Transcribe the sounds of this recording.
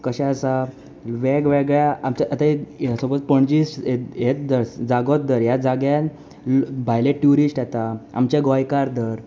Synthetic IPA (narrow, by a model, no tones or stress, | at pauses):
kəɕɛ̃əsa | ʋeɡʋeɡɭjaamt͡ɕaʔət̪asobət̪pəɳd͡ʑiːsʈjet̪̚d̪əɾsd͡zaɡɔt̪̚d̪əɾjad͡zaɡjãn | bʱajleʈjuɾisʈjat̪aa̰mt͡ɕeɡɔjkaɾd̪əɾ